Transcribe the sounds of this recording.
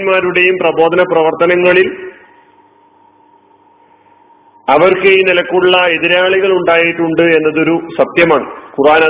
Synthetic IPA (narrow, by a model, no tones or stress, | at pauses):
nmaːɾuɽe̞jumprɐbo̞ːd̪ɐnɐprɐʋɐrt̪ɐnɐŋːɐɭil | ɐʋɐrkejnilɐkːuɭːɐe̞ðiɾaːɭiɣɐɭuɳɖaːjiʈːuɳɖɨe̞nːɐðo̞ɾusɐt̪jɐmaːɳɨkuraːnɐ